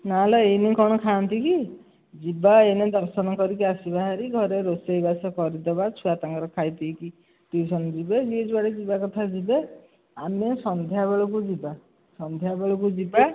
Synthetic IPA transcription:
nalaejnekɔɽ̃ɔkʰaɔnt̪iki | d͡ʒibaened̪ɔɾsɔnɔkɔɾik̬iasibaɦaɾiɡʱɔɾeɾosejbasɔkɔɾid̪ɔbat͡ʃʰuat̪aŋɡɔɾɔkʰajt̪iːki | ʈusʰɔnɔd͡ʒibed͡ʒied͡ʒʰbaɽed͡ʒibakɔt̪ʰad͡ʒibe | amesɔnd̪ʱjabeɭɔkud͡ʒiba | sɔnd̪ʱjabeɭɔkud͡ʒiba

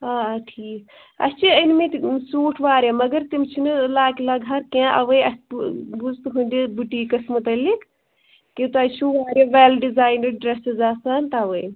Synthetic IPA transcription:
aʈʰiːk | ɐ̰st͡ʃʰiənmet̪suːʈʰʋaːɾemɐɡɐɾt̪imt͡ʃʰinɨlaːklaːɡʱɐɾkẽʔɐ̰ʋəjɐsbud͡zt̪ɨɦund̪ibuʈiːkɐsmut̪ɐlikʰ | kit̪aːjt͡ʃʰuʋaːɾeʋeːlɖizaːjnəɖɾesizaːsaːnt̪aʋəj

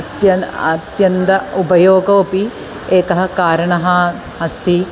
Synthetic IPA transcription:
ɐt̪jɐnɐ̰t̪jɐnt̪ɐupɐjoːɡɐopi | eːkɐɦɐkaːɾɐɳɐɦɐ | ɦɐst̪ʰi

